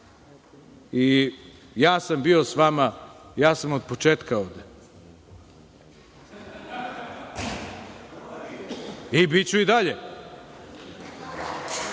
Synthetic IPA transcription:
i | jaːsambio̞sʋamajaːsamod̪̚pot͡ʃeːt̪kaovd̪e | ibit͡ɕuid̪aʎe

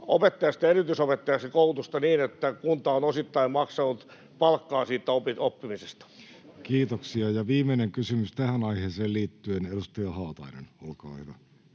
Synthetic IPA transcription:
o̰pet̪ːɑjɑst̪æerit̪ysopet̪ːɑjɑst̪ikout̪ust̪ɑniːnet̪ːækunt̪ɑonosit̪ːɑimmɑksɑnut̪ | pɑlkːɑːsiːt̪ːˑæopiopːimisest̪ɑ̥ | kiːt̪oksiɑjɑʋiːmˑeneŋkysymyst̪æhænɑiheːseːlliːt̪ːyenedust̪ɑjɑhɑːt̪ɑinḛnolkɑ̰ːhyʋo

